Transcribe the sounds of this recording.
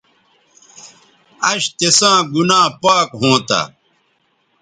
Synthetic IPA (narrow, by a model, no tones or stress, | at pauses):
ɐɕt̪esãːɡunãːpaːkɦõːt̪a̰